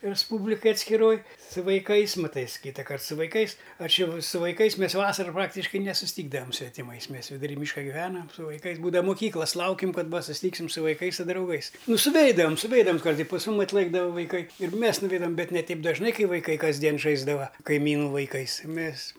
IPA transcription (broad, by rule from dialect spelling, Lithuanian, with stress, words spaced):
rʲɛsˈpuːbʲlʲɪkɐj ɐtʲsʲkʲɪˈroːj sʊ ʋɐɪˈkɐɪs mɐˈtɐɪs ˈkʲiːtɐkɐrt sʊ ʋɐɪˈkɐɪs ˈɐʃ ˈjɛʊ sʊ ʋɐɪˈkɐɪs ˈmʲɛs ˈʋɑːsɐrʊ ˈprɑːktʲɪʃkɐɪ nʲɛsʊsʲˈtʲiːɡdɐʋɐm sʲʋʲɛtʲɪˈmɐɪs ˈmʲɛs ʋʲɪdʊˈrʲiː ˈmʲiːʃkɐ ɡʲɪˈʋʲæːnɐm sʊ ʋɐɪˈkɐɪs ˈbuːdɐʋɐ mʊˈkʲiːklˠɐs ˈlˠɐʊkʲɪm ˈkɐt ˈʋɐ sʊsʲɪˈtʲiːksʲɪm sʊ ʋɐɪˈkɐɪs sʊ drɐʊˈɡɐɪs ˈnʊ sʊˈʋʲɛɪdɐʋɐm sʊˈʋʲɛɪdɐʋɐms ˈkɐrt ɪ pɐs ˈmʊm ɐtˈlˠɘɡdɐʋɐ ʋɐɪˈkɐɪ ɪr ˈmʲeːs nʊˈʋʲɛɪdɐʋɐm ˈbʲɛt nʲɛ ˈtʲɛɪp dɐʒˈnɐɪ ˈkɐɪ ʋɐɪˈkɐɪ kɐzʲˈdʲiɛn ˈʒɐɪzdɐʋɐ kɐɪˈmʲiːnʊ ʋɐɪˈkɐɪs ˈmʲeːs